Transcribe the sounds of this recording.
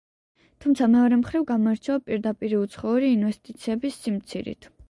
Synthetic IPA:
t̪ʰumt̪sʰamɛɔɾɛmχɾivɡamɔɛɾt͡ʃʰɛapʼiɾd̪apʼiɾiut̪sʰχɔuɾiːnvɛst̪ʼit̪sʰiɛbisːimt̪sʰiɾḭt̪ʰ

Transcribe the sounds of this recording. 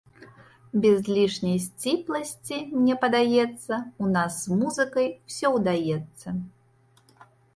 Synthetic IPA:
bʲɛzʲlʲiʂnʲɐjsʲt͡sʲiplˠɐsʲt͡sʲimnʲɛpɐd̪ajɛt̪sːɐunasːmuzɨkɐjwsʲɔwd̪ajɛt̪sːɐ

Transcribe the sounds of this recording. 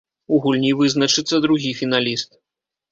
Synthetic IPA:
uɣulʲnʲivɨznɐt͡ʂɨt̪sːɐd̪ɾuɣʲifʲinalʲist̪̚

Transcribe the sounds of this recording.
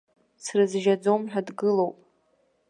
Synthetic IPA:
srɨzʒad͡zo̞mħʷᶣadɡɨlo̞wpʼ

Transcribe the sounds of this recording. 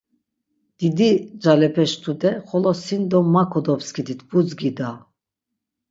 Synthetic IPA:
d̪̥id̪id͡ʒalɛpʰɛʃt̪ʰud̪ɛχɔlɔsind̪ɔmːakʰɔd̪ɔpskid̪it̪ʰbud͡zɡid̪a

